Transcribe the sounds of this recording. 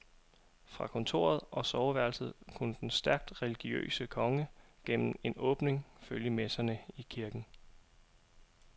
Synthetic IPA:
fʁɑ̈kʰɔ̽nt͡sʰo̝̰ːɐð̞ˠʔɒ̽sɒʊʋæɐ̰lsð̩ˠkʰunəd̥ensd̥æɐɡ̥̚d̥ʁɛliɡ̥iø̰ːsəkʰɒ̽ŋəɡ̥en̰m̩e̝nɔ̽ːb̥ne̝ŋføljəmesɐnəikʰiɐɡ̥n̩

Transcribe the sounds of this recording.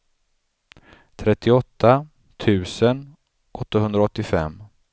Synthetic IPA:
t̪ʰɾɛt̪ːɪɔt̪ːa | t̪ʰʉ̟ːsən | ʔɔt̪ːaɦɵnd̪ɾaɔt̪ːɪfɛ̰mː

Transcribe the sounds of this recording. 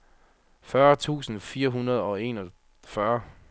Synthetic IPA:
fɶɐt͡sʰṵːsn̩fiːɐɦunɐð̞ˠɒ̽e̝nɒ | fɶɐ

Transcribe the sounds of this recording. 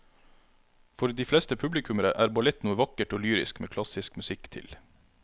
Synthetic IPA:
fɔɾd̪iːflɛst̪əpʰʉblɪkʰʉməɾəʔæːɾbɑlɛt̪nuːəʋɑkəʈoːlyːɾɪ̰skmʔḛːkʰlɑsɪskmʉsɪkːt̪ʰɪ̰l

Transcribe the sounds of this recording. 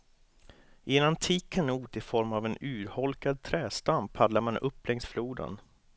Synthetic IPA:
ʔɪɛnant̪ʰiːkkʰːanuːt̪ɪfɔɾmavɛnʉːɾhɔlkad̪̚t̪ʰɾɛːst̪ampʰad̪laɾmanʔɵpːlɛŋsfluːd̪ə̰n

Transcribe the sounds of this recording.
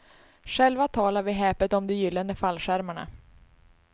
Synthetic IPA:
ʂɛlvat̪ʰɑːlaɾvɪɦɛːpət̪ɔmd̪ɛjʏlːənd̪əfalːɧæɾmaɳa̰

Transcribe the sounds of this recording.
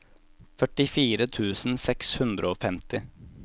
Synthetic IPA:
fœʈɪfiːɾət̪ʰʉːsn̩sɛkshʉnd̪ɾəoːfɛmt̪ɪ

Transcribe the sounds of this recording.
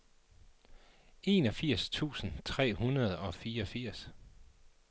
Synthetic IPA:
e̝ːnɒ̽fiɐ̰st͡sʰṵːsn̩t͡sʰʁɛ̰ːhunɐð̞̩ˠɒ̽fiːɐɒ̽fiɐ̰s

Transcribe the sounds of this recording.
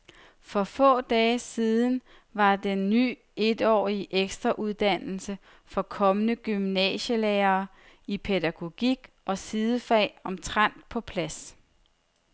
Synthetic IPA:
fɒ̽fɔ̰̽ːd̥ɛːsiːð̞ˠn̩ | ʋɑ̈d̥enːy̰ː | e̝d̥ɒ̰ːiʔeɡ̥sd̥ʁɐʔuð̞ˠd̥æn̰l̩sə | fɒ̽kʰɒ̽mənəɡ̥ymnɛ̰ɕəleːɐː | ipʰe̝dæɡ̥o̝ɡ̥iɡ̥ | ʔɒ̽sið̞ˠəfɛ̰ːɒ̽mt͡sʰʁan̰d̥̚pʰɒ̽pʰlæs

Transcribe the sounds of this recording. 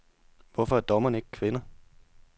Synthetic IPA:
ʋɒfɒ̽æɐd̥ɒmɐne̝ɡ̥kʰʋenɐ

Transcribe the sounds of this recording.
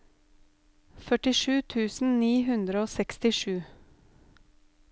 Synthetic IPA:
fœʈɪʃʉːt̪ʰʉːsn̩niːɦʉnd̪ɾəoːsɛkst̪ɪʃʉː

